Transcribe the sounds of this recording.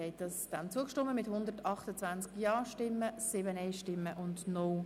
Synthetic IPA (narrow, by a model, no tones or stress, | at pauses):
ɛɪdɑsd̥ant͡suəkʃtʊmːəmɪthʊnd̪ərtɑχtət͡sʋant͡skjɑːʃtɪmːəsɪbənɛɪʃtɪmːəʔʊndnɔ